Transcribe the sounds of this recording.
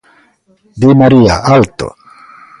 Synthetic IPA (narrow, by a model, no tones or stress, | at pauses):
d̪imaɾia̰ʔalt̪o̰